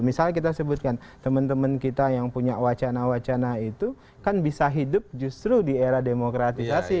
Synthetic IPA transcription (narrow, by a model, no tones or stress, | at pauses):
misalakit̪asəbʊt̪̚kant̪əmənt̪əmənkit̪ajaŋpuɲaʔwat͡ʃanawat͡ʃanait̪u | kanbisaɦidʊp̚d͡ʒust̪ɾudieɾademokɾat̪isasi